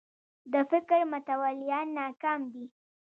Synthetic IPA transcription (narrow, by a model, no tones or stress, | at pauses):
d̪əfɪkɾmʊt̪awalɪjɑnːɑkɑmd̪i